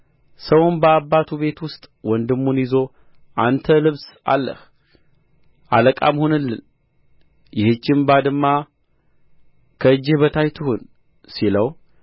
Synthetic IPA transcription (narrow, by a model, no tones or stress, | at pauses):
səwʊnbəabːat̪ʰuβe̞t̪wʊst̪ʼwɔnd̪ɨmːunjizo̞ | ʔant̪ʰəlɨβsa̰lːə̰h | ʔaləkʼamhonɨlːɨ̰n | jɪhɨt͡ʃːɪmbad̪ɨmːa | kʰəɨd͡ʒːɪhbət̪ʰajt̪ʰɨhon | siləw